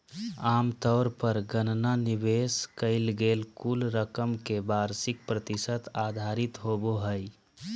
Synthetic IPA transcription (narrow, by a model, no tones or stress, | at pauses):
aːmt̪ɔːɾpəɾɡənnanɪʋeːskəɪlɡeːlkulɾəkəmkebaːɾsɪk̚pɾət̪ɪsət̪aːd̪ʱaːɾɪt̪ɦoboɦəj